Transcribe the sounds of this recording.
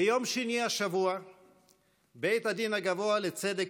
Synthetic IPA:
ejo̞mʃeniaʃavua | be̞jt̪had̪inaɡavo̞alet͡sed̪ek

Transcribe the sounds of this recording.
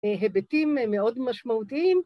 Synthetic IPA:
ɦebetimmːeo̞dmaʃmaut̪iim

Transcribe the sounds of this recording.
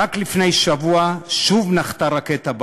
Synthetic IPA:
aklifnejʃavuaʃuvnaχt̪aʁaket̪ab

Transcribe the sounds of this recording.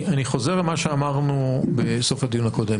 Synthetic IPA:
aniχo̞zeʁlemaʃeamaʁnube̞so̞fhad̪ijunako̞de̞m

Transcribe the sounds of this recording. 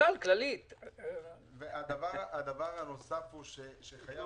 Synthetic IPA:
alklalit̪ | vead̪avaʁad̪avaʁhano̞safhuʃeʃeχaja

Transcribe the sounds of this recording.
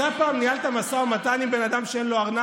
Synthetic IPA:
apaːmnialt̪amasoamat̪animbe̞nad̪amʃeenloaʁna

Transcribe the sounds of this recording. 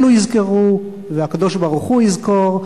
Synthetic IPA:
lujizkeʁu | veakad̪o̞ʃbaʁuχujizko̞ʁ

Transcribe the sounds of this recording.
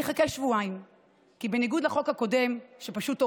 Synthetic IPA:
eχakelʃvuaim | kibe̞niɡudlaχo̞khako̞de̞mʃepaʃuto

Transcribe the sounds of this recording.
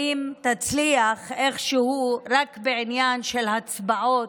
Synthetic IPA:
imt̪at͡sliaχʔe̞χʃehuɾakbeʕinjanʃelhat͡sbaʔo

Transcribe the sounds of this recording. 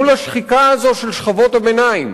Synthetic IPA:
ulaʃχikaazo̞ʃe̞lʃχavo̞tabenaim

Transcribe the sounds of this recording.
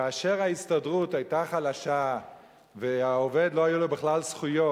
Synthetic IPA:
kaːʃe̞ʁhaistadʁutajtaχalaʃa | veao̞ve̞d̪lo̞ajulobeχlalsχujo̞

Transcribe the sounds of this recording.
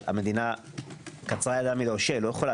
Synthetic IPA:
a̰med̪ina | kat͡sʁajad̪amiloʃelojeχola

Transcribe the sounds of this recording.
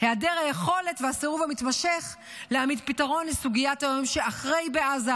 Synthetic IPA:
headeʁhajeχo̞le̞tvehaseʁuvamit̪maʃeχ | leamidpitaʁo̞nlesuɡijatajomʃeaχʁejbeaza

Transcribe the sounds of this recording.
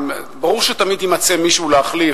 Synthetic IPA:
mbaʁuʁʃet̪amid̪jimat͡semiʃuuleaχli

